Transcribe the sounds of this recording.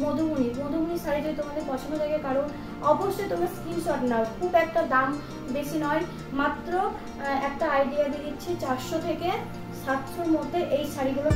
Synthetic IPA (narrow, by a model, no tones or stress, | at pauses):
mod̪ʱubuniɾmod̪ʱubuniʃaɾid͡ʑ̪et̪omad̪eɾpɔt͡ɕʰond̪od̪aɡekaɾon | ɔboʃːojt̪omaɾskimʃɔʈnakʰubɛk̚ʈad̪am | beʃinɔe | mat̪ːɾo | ɛk̚ʈaajɖiad̪ilitːɕʰet͡ɕaɾʃot̪ʰeke | ʃast̪ʰːɾomod̪ʱːeɾʔejʃaɾiɡulo